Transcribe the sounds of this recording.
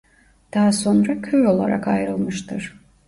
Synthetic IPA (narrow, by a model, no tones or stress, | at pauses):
d̪̥aɦːso̞nɾakʰøjo̞lˠa̰ɾa̰kajɾɯlˠmɯʃt̪ʰɯɾ̥